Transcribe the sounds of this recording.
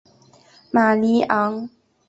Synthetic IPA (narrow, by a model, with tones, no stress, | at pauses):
ma˨li˦ʔa˨˦ŋ